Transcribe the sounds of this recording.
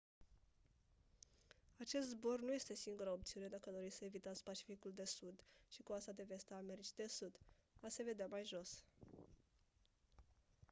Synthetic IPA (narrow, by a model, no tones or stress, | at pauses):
at͡ʃe̞st̪zbo̞rnuje̞st̪e̞siŋɡuɾəop̚t̪siune̞d̪akəad̪o̞ɾit̪səevit̪at̪sʲpat͡ʃi̥fikuld̪e̞sud̪ʃikuast̪ad̪e̞ve̞st̪əːme̞ɾit͡ʃid̪e̞sud̪ase̞ve̞d̪eamajʒo̞s